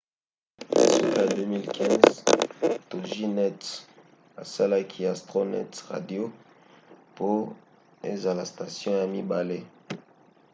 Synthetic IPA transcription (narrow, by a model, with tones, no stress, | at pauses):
a̰˨su˦ka˨dø˦mi˦lkʰɛ̃˦nz | to˨ʒi˦nɛ˦t | a˨sa˦la˦kʰi˦a˨stʁo˦nɛ̰˦tʁa̰˨djo˦ | po˦ | ḛ˦za˨la˨sta˨sjɔ̃˦ja˨mi˦ba˨le˦